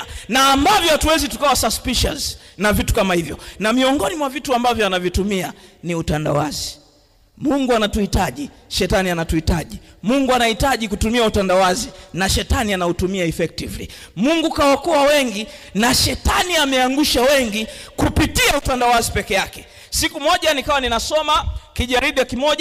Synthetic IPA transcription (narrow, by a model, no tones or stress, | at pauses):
naːmbavjɔhatuwɛzitu̥kawasaspiʃa̰znavitu̥kamahivjɔnamiɔŋɡɔnimwavituambavjɔanavjitumianiutanda̰wazi | muŋɡuanatuhitaʄi | ʃɛtanianatuhitaʄimuŋɡuanahitaʄikutumiautandawazinaʃɛtanianautumiaɛfɛk̚tivli | muŋɡukawakuwawɛŋɡinaʃɛtaniamɛaŋɡuʃawɛŋɡikupitiautandawazipɛkɛjakɛ | sikumɔʄanikawaninasɔmakiʄaɾiɗijakimɔʄ